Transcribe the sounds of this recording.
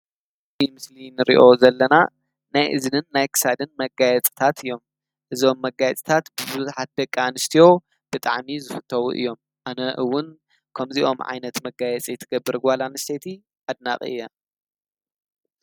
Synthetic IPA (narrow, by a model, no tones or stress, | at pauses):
imɨslinɨɾḭʔo̞zɐlːɐna | najʔɨzɨnɨnːajkʰɨ̥sad̪ɨnmɐɡajɛt͡sʼt̪ʰat̪ʰɨjːo̞m | ʔɨzo̞mːɐɡajɛt͡sʼt̪ʰat̪bɨbɨzħat̪̚bɐkʼːanɨst̪ʰijo̞ | b̥ɨt̪ʼa̰ʕmizɨfɨ̥t̪ʰːɐwṵʔɨ̰jːo̞m | ʔanɐʔɨwːʊn | kʰɐmziʔo̞mʕa̰jnɐt̪mɐɡajɛt͡sʼijɨt̪ʰɨɡɐbːɨɾɡʷalanɨst̪ʰet̪ʰi | ʔad̪̚na̰χʼɨ̰ʔɨ̰jːa